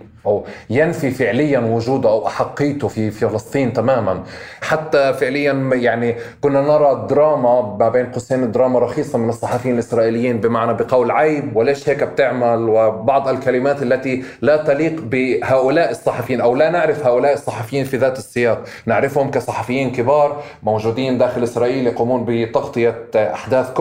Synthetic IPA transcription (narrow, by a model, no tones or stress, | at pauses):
ʔawjanfifɪʕlɪjːanwʊʒuːd̪ʊʔawʔaħɑqːiːt̪ʊfiffɑlɨsˤt̪ˤiːnt̪amaːmanħat̪ːafɪʕlɪjːanjaʕnikʊnːanɑɾˤɑd̪ɾˤɑːmamabeːnqʊseːnɪd̪ːɾˤɑːmɑɾˤɑxiːsˤɑmɪnɨsˤːɑħɑfjiːnɪlʔɪsɾˤɑːʔɪlɪjːiːnbɪmaʕnabɪqɑwlʕajbwɪleːʃheːkb̚t̪ɪʕmalwɪbɑʕd̪ˤɪlkalɪmaːt̪ʔalːat̪ilat̪ɑliːqbɪhaːʔʊlaːʔɪsˤːɑħɑfjiːnʔawlanɪʕɾɪfhaːʔʊlaːʔɨsˤːɑħɑfɪjːiːnfiðaːt̪ɨsˤːɨjɑːq | nɪʕɾɪfhʊmkasˤɑħɑfɪjːiːnkɪbɑːɾˤ | mowʒuːd̪iːnd̪aːxɪlʔɪsɾˤɑːʔiːljɑquːmuːnbɪt̪ɑɡt̪ˤɨjaʔa̰ħd̪aːθk